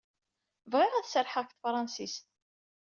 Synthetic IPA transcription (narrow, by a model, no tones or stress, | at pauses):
vʁɪʁæθsəɾħəçθfɾˤɑnsist̪